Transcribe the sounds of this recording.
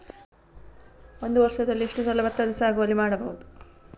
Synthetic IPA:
o̞nd̪uʋɐɾʂɐd̪ɐlːiʂʈusɐlːɐbɐt̪ːɐd̪ɐsaːɡuʋɐlːimaːɽɐbɐɦud̪u

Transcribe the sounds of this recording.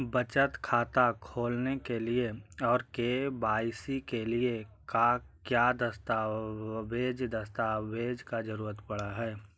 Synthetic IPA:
bət͡ʃət̪kʰaːt̪akʰoːlnekelieɔːɾkebaːɪsikelieka | kjaːd̪əst̪abeːd͡ʒd̪əst̪aːbeːd͡ʒkad͡ʒəɾuːɾət̪pɐɽaɦɛː

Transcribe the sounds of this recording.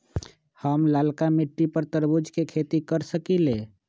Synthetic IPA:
həmlalkamiʈːipəɾt̪əɾbud͡ʒʱkekʰet̪ikəɾsəkile

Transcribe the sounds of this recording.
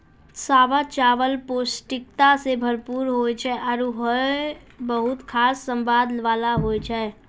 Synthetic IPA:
saːbat͡ʃaːʋəlpoːsʈɪk̚t̪asebʱəɾpuːɾɦoet͡ʃʰɛʔɔːɾuɦə | bəɦʊt̪kʰaːsːə̃mbaːd̪ʋaːlaɦoːjt͡ʃʰɛ

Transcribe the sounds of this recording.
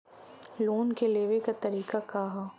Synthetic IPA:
loːnkeleːʋekat̪ɐɾiːkakaːɦa

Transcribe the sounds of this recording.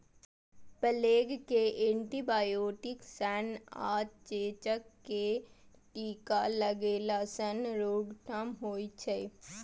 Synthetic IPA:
pəleːɡkeʔẽːɳʈibaːjoːʈɪksɛːna̰ːt̪t͡ʃeːt͡ʃəkːeʈiːkaləɡeːlasənɾoːɡʈʰamɦoːit͡ʃʰe

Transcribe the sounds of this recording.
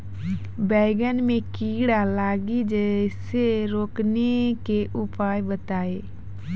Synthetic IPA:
bɛːɡənmẽkiːɽalaːɡid͡ʒəseɾoːknekeʔʊpaːjbət̪aːeː

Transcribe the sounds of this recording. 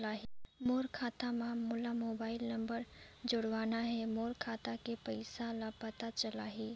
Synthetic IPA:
laːɦimoːɾkʰaːt̪amãmʊlamoːbaːɪlnɐmbəɾ | d͡ʒʊɽʋaːnaɦɛmoːɾkʰaːt̪ãkepəɪsãlapət̪at͡ʃəlaːɦi

